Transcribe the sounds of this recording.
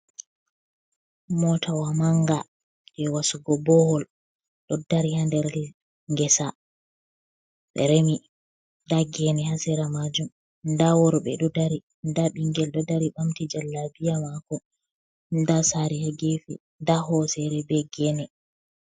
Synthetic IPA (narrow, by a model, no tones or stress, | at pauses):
mɔtʰawamaŋɡa | d͡ʒɛwasuɡɔbɔhɔl | ɗɔdaɾihandɛɾ | ŋɡɛsa | ɓɛ̰ɾemi | daɡɛnɛhasiɾamad͡ʒum | ndawɔɾɔɓɛ̰ɗɔdaɾi | ndaɓiŋɡɛlɗɔdaɾiɓamtid͡ʒalːabijamakɔ | ndasaɾihaɡefḭ | ndahɔsɛɾɛbɛɡɛnɛ